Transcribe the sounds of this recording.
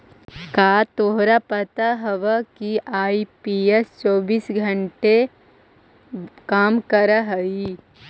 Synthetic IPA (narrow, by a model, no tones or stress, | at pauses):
kaːt̪oɦɾapət̪əɦɐʋəkiʔaːipiːest͡ʃoːbiːsɡʱə̃ɳʈe | kaːmkəɾəɦɐi